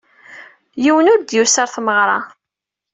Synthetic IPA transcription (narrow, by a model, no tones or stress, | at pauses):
jiwənʊɾd̪jusəɾθməʁɾˤɑ